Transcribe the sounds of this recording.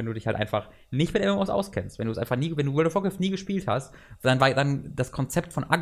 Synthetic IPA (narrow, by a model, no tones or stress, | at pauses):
ɛnduːdɪçhaltʔaɪnfaχ | nɪçtmɪtʔɛmɛmɔsʔa̰ʊskʰɛnstvɛnduːsʔaɪfaχniːvɛnduːwɔldɔfɔkɛfniːɡəʃpiːlthast | d̥anvaːɐdand̥askʰɔnt͡sɛp̚tfɔnʔaɡ